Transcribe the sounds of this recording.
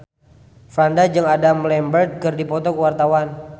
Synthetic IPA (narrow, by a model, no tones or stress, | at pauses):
fɾandad͡ʒɨŋadamlɛmbərt̪̚kɨrdipɔt̪ɔkəwart̪awan